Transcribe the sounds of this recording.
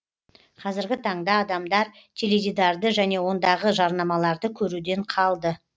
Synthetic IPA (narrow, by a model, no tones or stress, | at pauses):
qʰɑzɪɾɡʲɪt̪ʰɑɴd̪ɑːd̪ɑmd̪ɑɾ | t̪ʲʰeled̪ʲid̪ɑɾd̪əʒæne̞wo̞nd̪ɑʁəʒɑɾnɑmɑlˠɑɾd̪əkʲʰɵɾud̪e̞ɴqʰɑlˠd̪ə